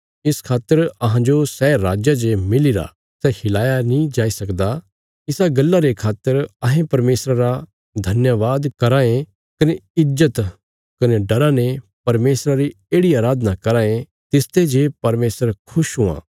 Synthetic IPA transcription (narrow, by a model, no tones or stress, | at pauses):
ɪskʰaːt̪ːəɾɐɦãd͡ʒosɛːɾaːd͡ʒjad͡ʒemɪliɾa̰ | sɛhɪlaːjanĩd͡ʒaːisɐkd̪a | ɪsaɡɐlːaɾekʰaːt̪ːəɾɐɦẽpɐɾmeːsɾaɾa | d̪ʱɐnjəʋaːd̪kɐɾãːẽ | kɐneɪd͡ʒːət̪ | kɐneɖɐɾãnepɐɾmeːsɾaɾi | eːɽiaːɾaːd̪ʱnakɐɾaːẽ | t̪ɪst̪ed͡ʒeːpɐɾmeːsəɾkʰʊʃɦũã̰ː